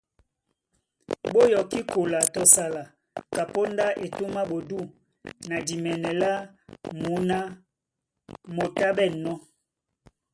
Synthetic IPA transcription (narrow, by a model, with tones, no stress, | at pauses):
ɓo˦jɔ˨ki˦ko˨la˨tɔ˨sa˨la˨ | ka˨po˦nda˦ʔe˨tu˦ma˦ɓo˨du˦˨ | na˨di˨mɛ˨nɛ˨la˦ | mu˨˦na˦ | mo˨ta˦ɓɛ˦˨nɔ˦